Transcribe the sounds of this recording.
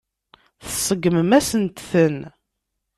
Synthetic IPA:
θəsˤəɡməmæsənt̪θən

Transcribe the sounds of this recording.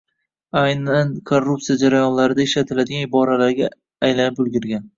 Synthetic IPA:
ajnankʰorːup̚t̪ijad͡ʒaɾajɒnlaɾɪd̪aɪʃlat̪ʰɪlad̪ɪɡʲanɪbɒɾalaɾɡʲaː | jlanɪpɵlˠɡʲɪɾɡʲan

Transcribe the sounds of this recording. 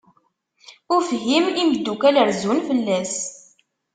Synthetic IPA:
ʊɾfɦimiməd̪ːukæləɾzunfəlːæs

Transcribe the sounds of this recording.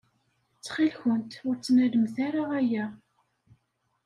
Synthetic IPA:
t͡sːχilçənt̪ʊɾt͡sːnæləmθaɾaʁæjæ

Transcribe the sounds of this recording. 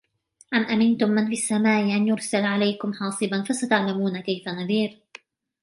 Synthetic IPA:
ʔamʔamɪnt̪ʊmːɪnfiasːamaːʔɪʔanjʊɾsalʕalajkʊmħɑːsˤɨbanfasat̪aʕlamuːnakajfanaðiːɾ

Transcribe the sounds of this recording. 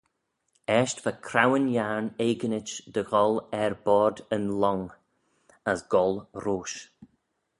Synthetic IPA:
ɛʃtvakʰɾawənjaɹneːɡənɪt͡ʃd̪əɣɔlɛɹbɔːɹd̪ənlɔŋ | əsɡ̥ɔlˠɾoːʃ

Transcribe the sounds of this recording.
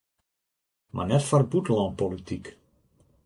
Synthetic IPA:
mʔa̰nɛtfarbutəlɔ̃npolitik

